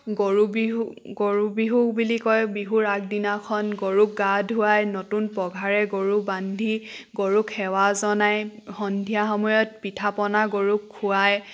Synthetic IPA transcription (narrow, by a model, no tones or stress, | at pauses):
ɡoɹubi | ɡoɹubiɦuk̚bulikɔjbiɦuɹak̚dinakʰɔnɡoɹuk̚ɡadʱɦuajnɔtunpɔɡʱaɹɛɡoɹubandʱiɡoɹukʰːɛwazɔnajxɔndʱijaɦɔmɔjɔt̚pitʰapɔnaɡoɹukʰːʊaj